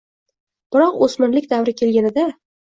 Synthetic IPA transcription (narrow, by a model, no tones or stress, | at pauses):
b̥ɪɾɒqosmɪnlɪkʲd̪avɾɪkʲʰe̞lɡʲanɪd̪a